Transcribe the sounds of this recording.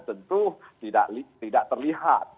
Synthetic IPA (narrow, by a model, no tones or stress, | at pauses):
t̪ənt̪ut̪ida̰ʔlit̪idaʔt̪ərliɦa̰t̪̚